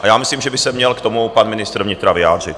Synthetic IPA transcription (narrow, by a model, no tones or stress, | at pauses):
ʔajaːmɪsliːmʒɛbɪsɛmɲɛlkt̪o̞mupanmɪnɪst̪ɾ̩vɲɪt̪ɾavɪja̰ːd̪r̝ɪt̪